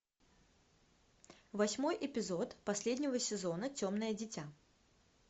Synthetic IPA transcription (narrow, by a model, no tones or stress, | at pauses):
vɐsʲmojʔɪpʲɪzot̪pɐsʲlʲed̪ʲnʲɪvəsʲɪzɔnət͡sʲomnəjədʲɪtʲa